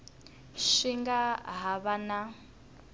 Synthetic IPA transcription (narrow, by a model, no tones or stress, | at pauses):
ʃiŋɡaɦaβana